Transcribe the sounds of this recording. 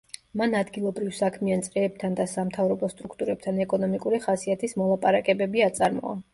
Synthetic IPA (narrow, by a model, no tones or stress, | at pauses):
manad̪ɡilˠɔbɾivsakʰmiant̪sʼɾɛːb̚t̪ʰand̪asamt̪ʰavɾɔbɔst̪ʼɾukʰt̪ʼuɾɛb̚t̪ʰanɛkʼɔnɔmikʼuɾiχasiat̪ʰismɔlˠapʼaɾakʼɛbɛbiat̪sʼaɾmɔ̰a̰